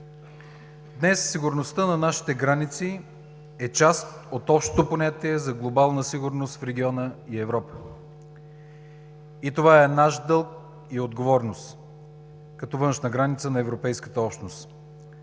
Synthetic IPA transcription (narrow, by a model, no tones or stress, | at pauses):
d̪nɛsːiɡʊɾnost̪ənɐnaʃi̥t̪ɛɡɾanit̪si | ɛt͡ʃast̪ | ot̪ɔpʃt̪o̥t̪oponʲat̪iɛzɐɡlˠobalˠnəsiɡʊɾnost̪fɾɛɡʲiɔnəiɛvɾɔpə̥ | it̪ovaɛnaʃd̪ɤlˠk̚ | iod̪ɡovɔɾnost̪ | kɐt̪ɔvɤnʃnəɡɾanit̪sənɐɛvɾopɛjskə̥t̪əɔpʃt̪nost̪